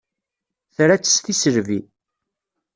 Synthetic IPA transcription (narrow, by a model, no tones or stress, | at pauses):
θɾæt͡sːə̥st̪isəɾvi